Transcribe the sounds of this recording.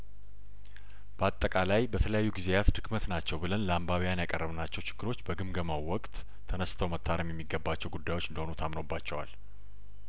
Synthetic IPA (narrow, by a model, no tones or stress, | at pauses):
b̥əat̪ʼːəkʼalajbət̪ʰələjajːuɡizejat̪d̪ɨɡmət̪nat͡ʃːɛwbɨlənlambaβijanjakʼərːəβnat͡ʃːɛwt͡ʃʰɪ̥ɡ̥ːɨɾo̞t͡ʃːbəɡɨmɡəmawɔkʼt̪ʰː | ənəst̪ʰəwmət̪ʰːaɾəmjɛmːiɡəbːat͡ʃːɛwɡud̪ːajwo̞t͡ʃːɨnd̪əhonut̪ʰamnobːat͡ʃːɛwa̰l